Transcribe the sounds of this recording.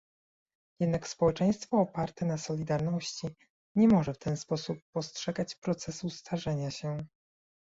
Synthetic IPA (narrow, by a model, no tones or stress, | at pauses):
jɛd̪nakspɔwɛt͡ʂɛj̃st̪fɔːpaɾt̪ɛnasɔlʲid̪aɾnɔɕt͡ɕi | ɲɛmɔʐɛft̪ɛnspɔsupːɔstʂɛɡat͡ɕpɾɔt̪sɛsust̪ʰaʐɛɲaɕɛ